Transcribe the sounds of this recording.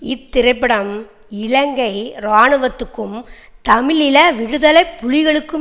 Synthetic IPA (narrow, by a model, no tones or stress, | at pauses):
ɪt̪ːɪɾɐɪp̬ːɐɽɐm | ɪɻɐŋɡɐɪɾaːɳɯʋɐt̪ːɯkːɯmt̪ɐmɪlɪlɐʋɪɽɯðɐlɐɪpːʊɻɪɣɐɭɯkːɯm